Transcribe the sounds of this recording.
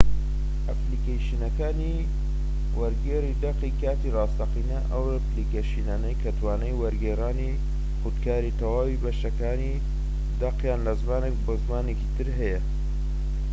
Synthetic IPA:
ʔɐplikejʃinɐkaːni | wɐɾɡeːrid̪ɐqikaːt̪irɑːst̪ɐqinɐʔɐwɐplikeʃinaːnɐjkʰɐt̪ʰwaːnɐjwɐɾɡeːraːni | xud̪kʰaːɾit̪ɐwaːwibɐʃɐkaːni | d̪ɐqjaːnlɐzmaːnek̚bozmaːnekit̪ɨɾɦɐjɐ

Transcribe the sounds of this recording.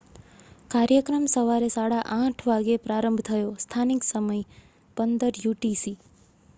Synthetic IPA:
kaɾjəkɾəmsəʋaɾesaɽaʔãʈʰʋaɡepɾaɾəmbʱt̪ʰəjost̪ʰaniksəməj | pənd̪əɾjuʈisi

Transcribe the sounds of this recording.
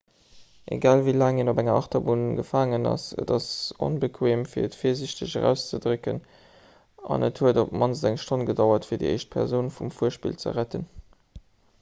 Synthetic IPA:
ʔḛɡaːlvilaːŋenobæŋɐʔɑχtɐbunɡəfaːŋənɑ̰sə̰dɑso̰nbəkʰweːmfiːɐətfiːɐziɕtəʑəʁæ̰ːʊst͡sədʁɵkən | ʔɑ̰nəthuədop̚mɑnzzæŋʃtʰonɡədɑʊɐtfiːɐdḭʔə̰ɪʃt̚pʰɛ̰ʁzoʊnfumfuəʃpḭlt͡sə̰ʁætən

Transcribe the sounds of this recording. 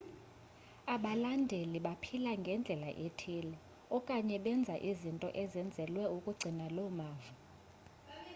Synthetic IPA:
aɓalandʱeliɓapʰilaŋɡʱɛnd͡ɮʱɛla̰ʔetʰilɛ | ɔkʼaɲɛɓɛnd͡zʱaʔizintʼɔ̰ʔɛzɛnd͡zʱɛlwɛukʼuɡ͡ǀʱinalɔmaːvu

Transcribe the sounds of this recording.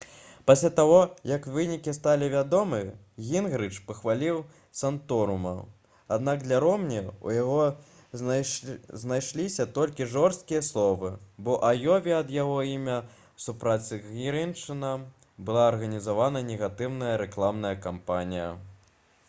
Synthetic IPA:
pasʲlʲat̪aɣɔjɐkvɨnʲikʲist̪alʲivʲad̪ɔmɨ | ɣʲinɣɾɨt͡ʂpɐxvalʲiw | sant̪ɔɾumɐ̰ | ad̪nakd̪lʲɐɾɔmnʲɛṵjaɣɔ | znajʂlʲisʲɐt̪ɔlʲkʲiʐɔrst̪̚kʲijɐslˠɔvɨbɔʔajɔvʲiɐd̪jaɣɔimʲɐ | supɾasʲɨɣʲiɾint͡ʂɨnɐ | bɨlˠaɐrɣɐnʲizavanɐnʲɛɣat̪ɨwnɐjɐɾɛklˠamn̪ɐjɐkampanʲijɐ̰

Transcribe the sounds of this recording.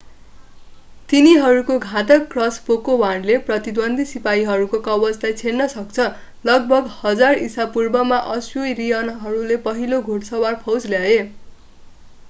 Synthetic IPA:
t̪iniɦʌɾukoɡʱãt̪ʌkːrʌspokowanleprʌt̪id̪wʌnd̪ʱisipaiɦʌɾukokʌbʌt͡slajt͡sʰernʌsʌkt͡sʰʌ | lʌɡ̚bʱʌɡhʌd͡zarisapurbʌmaʔʌsjojrijʌnɦʌɾulepʌɦiloɡʱoɽsʌwarpʰʌwd͡zljae

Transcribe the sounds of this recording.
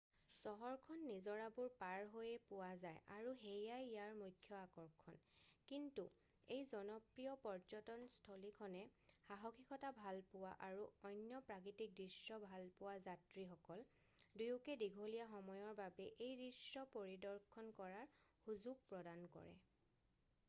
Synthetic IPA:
sɔɦɔɹkʰɔnːizɔɹabuɹpaɹɦojɛpʊwazajaɹuɦejajjaɹmujtʰːjɔakɔɹkʰɔnkintu | ejzɔnɔpɹijɔpɔɹzɔtɔnstʰɔlikʰɔnɛhaɦɔkʰikɔtabʱalpʊwa̰ʔaɹuɔjnjɔpɹak̬itik̚dɹisːɔbʱalpʊwazatɹixɔkɔl | dujukɛdiɡʱolijaxɔmɔjɔɹbabɛʔejdisɔpoɹidɔɹkʰɔnkɔɹaɹ | huzuɡ̚pɹɔdankɔ̰ɹɛ̰

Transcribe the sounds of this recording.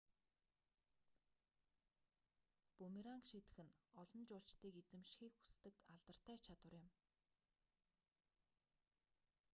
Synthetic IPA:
pɵmiɾaŋkʃit̪ɘ̆xɘ̆nɔɮɞ̆nt͡ɕʊːɮt͡ɕt̪iːket͡sɘ̆mʃxiːkxu̥st̪ɘ̆kaɮt̪ə̆r̥t̪æːt͡ɕʰat̪wə̆rjɪ̆m

